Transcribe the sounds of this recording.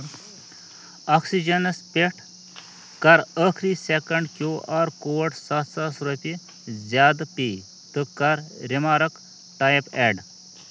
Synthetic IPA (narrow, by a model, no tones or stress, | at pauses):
aksid͡ʒɐnɐspeʈʰ | kɐɾəkʰɾisekɐɳɖkʲjoːʔaɾkowɐʈsɐt̪sɐsɾopʲi | zʲaːd̪pi | t̪ɨkɐɾɾimaːɾɐk | ʈajpeɖ